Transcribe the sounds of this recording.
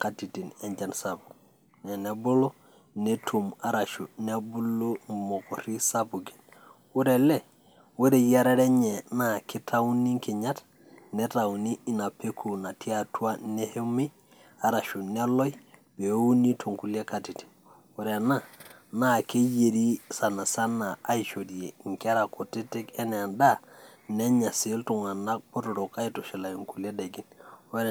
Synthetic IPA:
kati˨ti˨ne˨nd͡ʒa˨nsabu˨ | ne˨ne˨bu˦lo˦ | ne˦tʰu˨ma˦ɾa˨ʃṵ˨ne˦bu˦lːo˦mo˨ko˨ɾi˦sabu˨ɡi̥˨n | wu˦ɾe˨le˨ | wu˦ɾe˨ja˦ɾe˦ɾe˦ɲe˨naki˦tʰa˦wu˦ni˦ŋki˨ɲat | ne˦ta˨wuni˦i˦na˨pekʰu˨na˨tʰi˦a˨tu˦a˦ne˦he˦mi˦ | a˨ɾa˨ʃu˨ne˦lo˦jbe˨˦u˦ni˦tʰo˨ŋku˨le˦ka˨ti˨ti̥˨ | we˨ɾe˨na˦na˦˨ke˦je˨ɾi˦sa˨na˨sa˦na˨a˦jt͡ʃo˨di˨je˨ŋkɾa˨ko˨ti˦ti˦ke˦ne˨a˨nda˦ne˦ɲa˨si˦ltu˨ŋa˨na˦k̚po˦to˨ɾo˨ka˦i˨to˨ʃi˨la˨jo˨ŋku˨le˦de˨ɡi˨nwe˦ɾ

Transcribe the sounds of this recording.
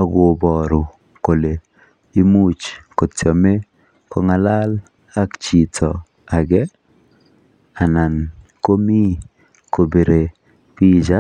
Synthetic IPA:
a˨ɡo˨bɔ˨ɾʊ˨ | ko˨le˨ | i˦mu˦t͡ʃkɔ˨tɔ˨me˦ | kɔ˨ŋa˨la˦l | a˦kt͡ʃi˨tʰɔ˨ | a˨ɡɛ˦ | a˨na˨n | ko˦mi˦ | ko˨be˨ɾe˨ | pi˦d͡ʒa˦

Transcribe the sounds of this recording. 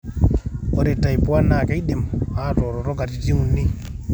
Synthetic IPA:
o˨ɾɛ˨ta˨jpu˦a˦na˨ke˦i˦ɗe˨ma˦to˨ɾɔ˨ɾɔ˦ɡa˨ti˨ti˦u˨nːi˦

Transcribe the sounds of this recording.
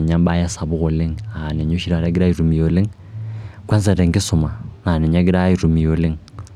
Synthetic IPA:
ɲa˦m˦ba˦ja˦sa˨βu˦ɣo˨le˦ŋa˨ne˨ɲo˦ʃi˦ɾa˨ɾa˦ɡi˦ɾa˦i˨ɾu˨mi˨jo˨le˦ŋ | kwa˦nza˨ɾe˨ŋ˨ɡi˦su˨ma˨na˨ne˨ɲa˦ɡi˦ɾa˦i˨ɾu˨mi˨jo˨li˦ŋ

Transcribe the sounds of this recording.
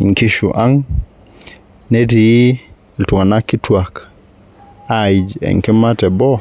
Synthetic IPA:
ŋki˦ʃṵ˨ʔa˦ŋ | ne˦ti˨˦ | i˨ltu˨ŋa˨na˦kːi˦tu˦a˨k | a˨ji˨d͡ʒḛ˨ŋki˦ma˦te˨bo˦

